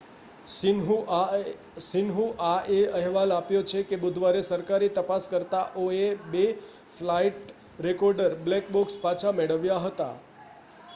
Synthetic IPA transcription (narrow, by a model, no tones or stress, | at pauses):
ɦ | sɪnɦũʔaeəɦʋalapjot͡ʃʰekebʊd̪ʱʋaɾesəɾkaɾit̪əpaskəɾt̪aʔoebe | flaiʈ | ɾekɔɾɖəɾblekbokspat͡ʃʰameɽəʋjaɦət̪a̰